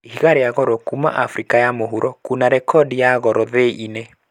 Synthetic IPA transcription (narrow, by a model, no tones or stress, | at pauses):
ihiɣaɾeaɣɔɾɔkuma̰ʔafɾikajamoɦuɾɔkunaɾɛkʰɔdijaɣɔɾɔðeʔine